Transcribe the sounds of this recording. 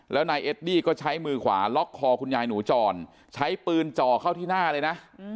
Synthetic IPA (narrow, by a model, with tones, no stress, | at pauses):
lɛː˦˥wnaː˧jʔe˦˥t̪̚diː˥˩kɔː˥˩t͡ɕʰa˦˥jmɯː˧kʰwa̰ː˩˦lɔ˦˥kʰːɔː˧kʰu˧njaː˧jnuː˩˦t͡ɕɔː˧˩n | t͡ɕʰa˦˥jpɯː˧nt͡ɕɔː˨˩kʰa˥˩wt̪ʰiː˥˩naː˥˩lɤː˧jna˦˥ʔ